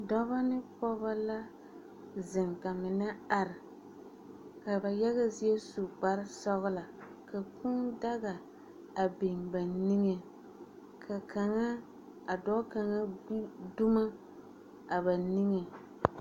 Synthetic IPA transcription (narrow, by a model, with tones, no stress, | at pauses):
dɔ˦βa˦nɪ˦pɔ˦ba˦la˦ | zɪ˨ŋka˨mɪ˨na˦a˨ɾɪ˨ | ka˨ba˨jɛ˦ɣa˦zɪ˦ɛ˦su˨ɡ͡ba˦ɾɪ˦sɔ˦ɣɪ˦la˨ka˨ku˦nda˦ɣa˨ | a˨be˨mba˨ni˦ŋe˨ | kʰa˨kʰa˨ŋa˦ | a˨dɔ˦ka˨ŋa˦du˦ma˦ | a˨ba˨ni˦ŋe˨